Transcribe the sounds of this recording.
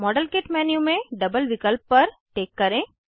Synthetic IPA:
mɔːɖəlkeʈmɛːnjũmẽɖɐbəlʋɪkəlpːɐɾʈeːkːɐɾẽː

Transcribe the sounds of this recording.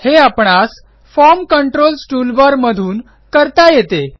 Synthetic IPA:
heapɳas | fɔɾmkəɳʈɾolsʈuːlʋaɾməd̪ʱuːn | kəɾt̪ajet̪e

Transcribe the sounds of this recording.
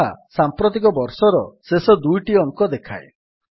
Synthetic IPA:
a̰sampɾot̪̬ikɔbɔɾsɔɾɔsesɔd̪ujʈiɔŋkɔd̪ekʰa̰e

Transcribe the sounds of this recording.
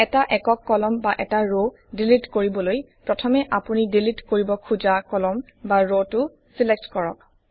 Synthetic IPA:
ɛtaʔɛkɔkːɔlɔmbaʔɛtaɹo | dilitkoɹibɔloj | pɹɔtʰɔmɛʔapunidilitkoɹibɔkʰuzakɔlɔm | baɹotʊ | silek̚tkɔɹɔ̰k̚

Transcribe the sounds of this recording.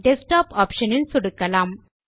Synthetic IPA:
ɖesʈaːpɔːpʃɐnɪnsʊɽukːɐlaːm

